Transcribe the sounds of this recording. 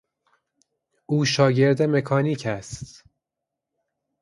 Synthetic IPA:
ʔuːʃɒːɟe̞ɾd̪eme̞kʰɒːniːcʰæst̪

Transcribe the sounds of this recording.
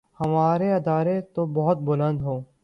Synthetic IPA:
hɐmaːɾeɐd̪aːɾet̪obɐɦʊt̪̚bʊlə̃nd̪ɦoː

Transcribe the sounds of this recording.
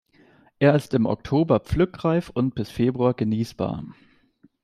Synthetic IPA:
ʔeːɐɪstɪmʔɔ̰k̚tʰoːbɐp͡flʏkʁaɪfʊnt̚b̥ɪsfeːbʁuaːɐɡəniːsb̥a̰ːɐ

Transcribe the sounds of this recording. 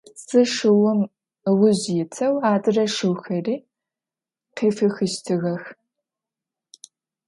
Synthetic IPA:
t͡sɨʂɨwʊm | wʊʑjɪtʰɐwaːdɨrɐʂɨwxɐriː | qeːfɨxɨʃtʰɨɣɐx

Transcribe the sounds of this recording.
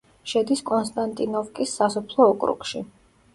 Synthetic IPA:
ʃɛd̪iskʼɔnst̪ʼant̪ʼinɔfkʼisːasɔpʰlˠɔːkʼɾṵkʼʃi

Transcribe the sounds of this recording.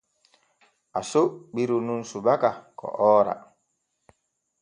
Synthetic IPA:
asoɓiɾununsubakakɔ̰ʔɔːɾa̰

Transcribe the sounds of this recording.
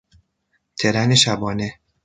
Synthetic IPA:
t̪ʰeɾæneʃæbɒːne

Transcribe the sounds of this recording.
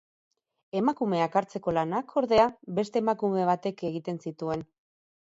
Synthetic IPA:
e̞makume̞akaɾt͡se̞ko̞lanakʰo̞ɾðe̞abe̞st̪e̞ːmakume̞β̞at̪e̞ke̞ɣit̪e̞nsit̪ue̞n

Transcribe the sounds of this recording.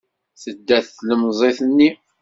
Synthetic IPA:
θəd̪ːæθːləmzˤeθənːi

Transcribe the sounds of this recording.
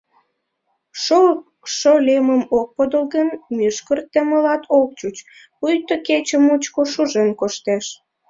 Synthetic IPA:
ʃo | ʃolʲeməmok̚pod̪əlɣənmyʃkərt̪əməlɑt̪ʰok̚t͡ɕut͡ɕ | pujt̪oket͡ɕəmut͡ɕkoʃuʒenkoʃt̪eʃ

